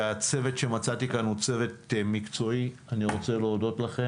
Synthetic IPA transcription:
at͡se̞vetʃe̞mat͡sat̪ikanut͡se̞ve̞t̪mikt͡so̞ianiʁo̞t͡se̞leodo̞tlaχe

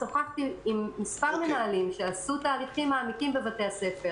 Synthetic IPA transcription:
soχakt̪iimːispaʁmenaalimʃeasut̪aːliχimːaːmikimbevat̪e̞ase̞fe

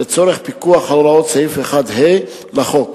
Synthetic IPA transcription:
et͡soɾeχpikuaχalɾaot̪t͡saifeχad̪he | laχok

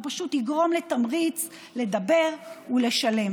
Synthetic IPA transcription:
paʃutiɡʁo̞mlet̪amʁit͡s | le̞d̪abe̞ʁule̞ʃale̞m

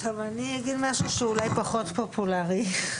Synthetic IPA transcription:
amaniaɡidmaʃuʃeulajpaχo̞tpopʰulaʁi

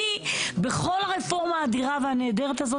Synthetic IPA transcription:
ibe̞χo̞laʁefo̞ʁmaːdiʁaveɦane̞ːdeʁet̪azo̞

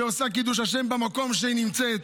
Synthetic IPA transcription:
eosakid̪uʃ̬haʃe̞mbamako̞mʃeinimt͡sɛt̪

